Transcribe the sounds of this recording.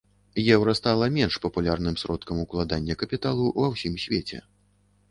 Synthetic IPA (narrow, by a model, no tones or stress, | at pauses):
jɛwɾɐst̪alˠɐmʲɛnʂpɐpulʲarnɨmsɾɔt̪kɐmuklˠad̪anʲːɐkɐpʲit̪alˠuvɐwsʲimsʲvʲet͡sʲɛ̰